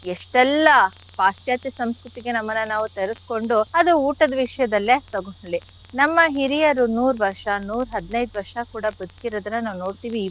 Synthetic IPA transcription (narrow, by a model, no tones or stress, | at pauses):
eʂʈɛlːɐ | paːsjaːt̪jɐsɐmskɾut̪iɡe̞nɐmːɐnːɐnaːʋut̪eɾesko̞ɳɖuɐd̪uuːʈɐd̪ɐʋiʂɐjɐd̪ɐlːet̪ɐɡoɳɐɭi | nɐmːɐɦiɾijɐɾunuːɾʋɐɾʂɐnuːɾɦɐd̪nɐjd̪ʋɐɾʂɐkuːɽɐbɐd̪ukiɾoːd̪ɐnːɐnaːʋuno̞ːɽt̪iːʋiː